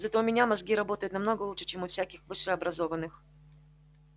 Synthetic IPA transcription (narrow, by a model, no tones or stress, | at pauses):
zɐt̪omʲɪnʲamɐzɡʲiɾɐbo̞t̪əjʊt̪nɐmnoɡəlˠuʂɨ̥t͡ɕemʊfsʲækʲɪxvɨʂɨɐbɾɐzo̞vənːɨx